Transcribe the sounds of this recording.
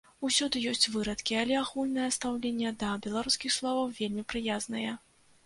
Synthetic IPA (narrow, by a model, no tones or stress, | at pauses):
usʲɔd̪ɨjɔsʲt͡sʲvɨɾɐt̪kʲialʲɛaxulʲnɐjɐst̪awlʲenʲːɛd̪ɐbʲɛlˠaɾuskʲixslˠɔvɐwvʲelʲmʲipɾɨjaznɐjɛ